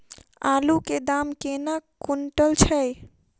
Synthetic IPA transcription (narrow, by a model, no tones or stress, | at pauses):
aluked̪amkenakuɳʈəlt͡ʃʰəj